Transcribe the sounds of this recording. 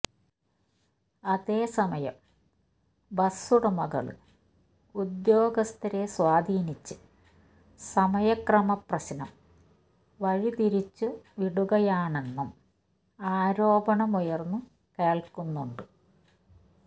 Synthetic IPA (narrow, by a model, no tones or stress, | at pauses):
ɐðe̞ːsɐmɐjɐ̰m | bɐsuɽɐmɐɣɐ̰ɭɨ̰ | ud̪jo̞ːɡɐst̪ɐɾeswaːd̪ʱiːnit͡ɕːɨ | sɐmɐjɐkrɐmɐprɐɕɐnɐm | ʋɐɻit̪iɾit͡ɕːuʋiɽuɣɐjaːɳe̞nːɐm | aːɾo̞ːbɐɳɐmujɐrnːɨ | keːɭkunːuɳɖɨ